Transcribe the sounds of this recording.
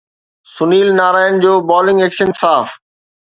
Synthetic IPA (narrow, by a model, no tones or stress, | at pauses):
sʊniːlnaːɾaːɪjnd͡ʑoːbaːlɪ̃ŋɡeːkʃənsaːf